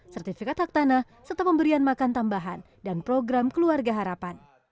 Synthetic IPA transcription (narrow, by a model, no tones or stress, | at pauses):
sɛrt̪ifikat̪hak̚t̪anah | sərt̪apəmbəɾianmakant̪ambaɦa̰n | danpɾoɡɾamkəluarɡaɦaɾapan